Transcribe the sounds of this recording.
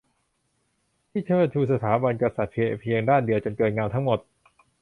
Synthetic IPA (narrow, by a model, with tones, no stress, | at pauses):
t̪ʰiː˥˩t̪ʰɤː˥˩t̪ʰuː˧sa˧t̪ʰaː˩˦ba˧nkɾa˧sa˨˩t̪̚pʰi˧ʔe˧˩pʰi˧əŋdaː˥˩ndi˧əwt͡ɕo˧nkɤː˧tn̚ŋaː˧wt̪ʰa˦˥ŋmo˨˩t̪̚